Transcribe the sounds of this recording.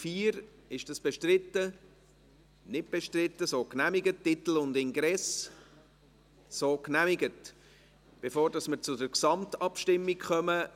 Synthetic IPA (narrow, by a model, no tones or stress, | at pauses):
fiːɾ | ɪʃd̥ɑsb̥ɛʃtɾɪtːə | nɪt̚b̥ɛʃtrɪt̪ːəsoːknæmɪɡətːɪt̪l̩ʊnd̪ɪŋɡɾɛs | soːknæmɪɡət | b̥efoːɾdɑsməɾt͡sʊdəɾksɑmtɑpʃtɪmːikχœmə